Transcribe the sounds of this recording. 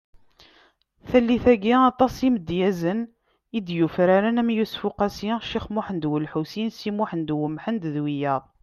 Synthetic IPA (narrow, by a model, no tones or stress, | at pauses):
θælːiθæɡiɑt̪ˤɑsiməd̪jæzən | id̪jufɾaɾænæmjusfuqæsiʃiχmuħənd̪wəlħusinsimuħənd̪wəmːħənd̪ðwijɑðˤ